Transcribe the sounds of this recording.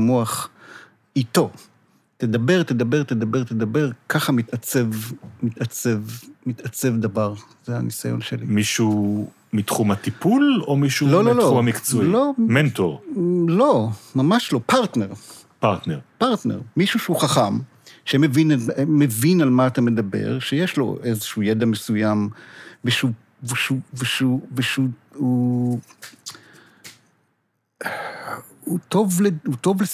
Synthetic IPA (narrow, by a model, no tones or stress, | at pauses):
moaχ | it̪o̞ | t̪ed̪abe̞ʁt̪ed̪abe̞ʁt̪ed̪abe̞ʁt̪ed̪abe̞ʁkaχamit̪at͡sevmit̪at͡sevmit̪at͡se̞vd̪avaʁzea̰nisajo̞̰nʃelimiʃu | mit̪χumhat̪ipulomiʃulo̞loloumhamikt͡suiloment̪o̰ʁlo̞mamaʃlo̞paʁt̪neʁ | paʁt̪neʁpaʁt̪nḛʁmiʃuʃehuχaχam | ʃemevinamevinalmaːt̪ame̞d̪abḛʁʃejeʃlo̞̰ʔezeʃujed̪amesujamveʃu | veʃuveʃuveʃuu | ut̪o̞vlehut̪o̞vle